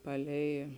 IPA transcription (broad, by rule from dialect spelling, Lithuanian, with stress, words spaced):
ˈpɑːˌlʲɛɪ